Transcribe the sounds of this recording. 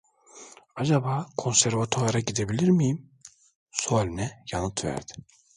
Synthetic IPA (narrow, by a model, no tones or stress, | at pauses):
ad͡ʒabaːkʰo̞nsæɾvat̪ʰoaɾaɟid̪e̞bilʲiɾmijim | sualʲinɛjanɯt̪væ̰ɾd̪ɪ